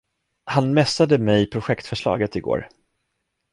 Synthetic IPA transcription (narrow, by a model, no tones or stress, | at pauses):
hanmɛsad̪əmɛjpʰɾʊɧɛkt̪fœʂɭɑ̰ːɡət̪ɪɡo̰ːɾ